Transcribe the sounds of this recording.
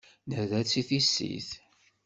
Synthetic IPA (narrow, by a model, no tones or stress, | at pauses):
nəðæt͡sːiθisːḭθ